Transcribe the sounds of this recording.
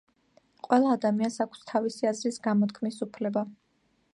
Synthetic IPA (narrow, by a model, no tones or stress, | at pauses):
qʼwɛlˠaːd̪amiansakʷʰst̪ʰavisiazɾisɡamɔt̪kʰmisupʰlɛba